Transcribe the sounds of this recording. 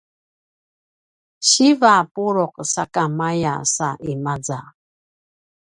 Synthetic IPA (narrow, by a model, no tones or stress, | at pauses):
ɕivapuɾɔq̚sakamaja̰saʔimad͡za